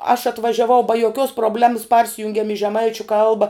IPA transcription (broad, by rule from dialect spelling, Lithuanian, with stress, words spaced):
ɐʃ ɐtʋɐʒʲɛˈʋɐʊ bɐ joːˈkʲoːs proːbʲˈlʲæːmɐs ˈpɐrʲsʲɪjʊŋʲɡʲɛm ɪ ʒʲɛˈmɐɪt͡ʃʲʊ ˈkɐlˠbɐ